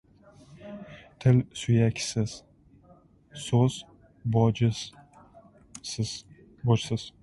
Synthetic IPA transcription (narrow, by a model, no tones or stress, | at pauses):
t̪ʰɪlsʊjakʲsɪz̥ | soz̥ | bɒd͡ʒɪ | sɪz̥ | bɒd͡ʒsɪz̥